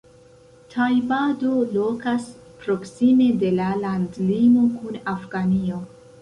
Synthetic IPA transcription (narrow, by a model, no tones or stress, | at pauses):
tʰajbadolo̞kas | pɾo̞ksime̞de̞lalandlimo̞kunafɡanio